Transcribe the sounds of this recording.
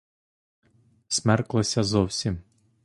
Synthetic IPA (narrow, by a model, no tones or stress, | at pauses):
sʲmɛrklˠɐsʲɐzɔwsʲim